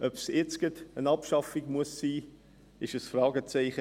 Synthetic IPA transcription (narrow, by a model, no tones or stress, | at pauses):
œpsɛt͡skətənɑpʃɑfikmuəsːiː | ɪʃəsfrɑːɡət͡sɛɪχə